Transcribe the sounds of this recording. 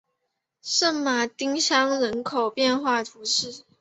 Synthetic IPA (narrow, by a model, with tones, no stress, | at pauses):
ʂə˥˩nma˨˩t̪i˥ŋɕjɑ˥ŋɻə˧˦˥nkʰo˨˩ʊpjɛ˥˧nxwa˥˩t̪ʰu˧˥ʂɻ̩˥˩